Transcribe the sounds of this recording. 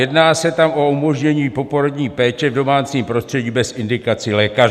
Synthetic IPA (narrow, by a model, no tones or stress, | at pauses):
jɛdnaːsɛt̪amʔo̞umo̞ʒɲɛɲiːpo̞po̞ɾodɲiːpɛːt͡ʃɛvdo̞maːt͡siːmpɾo̞st̪r̥ɛɟiːbɛsʔɪndɪkat͡sɪlɛːkar